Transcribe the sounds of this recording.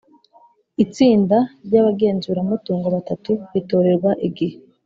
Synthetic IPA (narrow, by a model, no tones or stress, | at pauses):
it͡siːndaɾɟaβaɡe̞ːnzuːɾamutuːŋɡoβatatuβito̞ːɾe̞ɾɡwaʔiɡihe